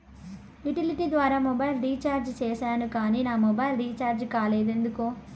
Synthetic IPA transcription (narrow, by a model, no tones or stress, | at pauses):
iʈiliʈiːd̪ʋaːɾaːmɔbɐjlɾiːt͡ʃaːɾd͡ʒt͡ʃɛːʃaːnukaːniːnaːmɔbɐjlɾiːt͡ʃaːɾd͡ʒkaːleːd̪end̪uko